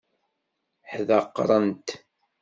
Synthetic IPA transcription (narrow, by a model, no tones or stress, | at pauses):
ħðəqːɾˤənt̪